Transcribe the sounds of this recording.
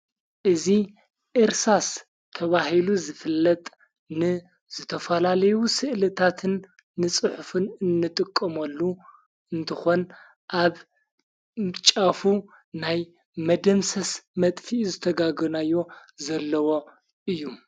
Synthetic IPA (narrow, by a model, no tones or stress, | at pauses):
ʔɨzi | ʔɨɾsas | t̪ʰɐβahiluzɨfɨlːɐt̪ʼ | nɨ | z̥ɨt̪ʰɐfɐlalɐjusɨʔlɨt̪ʰat̪ʰɨnː | ɨt͡sʼɨħfɨnɨnːɨt̪ʼɨkʼːɐmɐlːu | ɨnt̪ʰɨxo̞n | ʔaβ | t͡ʃʼafu | naj | mɐd̪ɐmsɐsmɐt̪ʼfiʔzɨt̪ʰɐɡaɡɐnajːo̞zɐlːɐwo̞ | ʔɨjːu